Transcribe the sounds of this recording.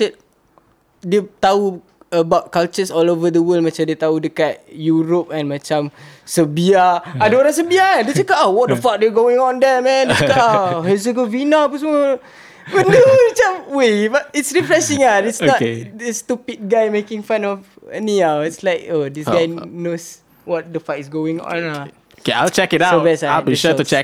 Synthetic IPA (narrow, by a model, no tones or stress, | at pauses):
ət̚ | diət̪au | əbawt̚kalt͡ʃəsɔlovədəwəlmat͡ʃamdiət̪audəkat̚juɾop̚ɛ̃nmat͡ʃamsəbiaadəoɾãŋs̬əbiaandiət͡ʃəkaʔawɔt̚dəfak̚dɛɡoɪ̃ŋɔ̃ndɛmɛ̃ndət͡ʃəkaaɦɛs̬əɡəvinapəsmə | wəndumat͡ʃamwebat̚itsɹifɾɛsɪ̃ŋaitsnɔtdəst̪upid̚ɡajmekɪ̃ŋfãnɔf | ə̰niawɪtslaɪk̚odisɡajnos | wɔt̚dəfakisɡoɪ̃ŋɔ̰̃na | okeaɪlt͡ʃɛkɪtaobɛsaaiʃuut͡ʃɛk̚